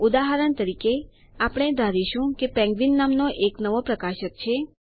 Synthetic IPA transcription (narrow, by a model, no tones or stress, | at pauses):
ud̪aɦəɾənt̪əɾike | apɽ̃ed̪ʱaɾiʃũkepɛ̃ŋɡʋinːamnoʔeknəʋopɾəkaʃək̚t͡ʃʰe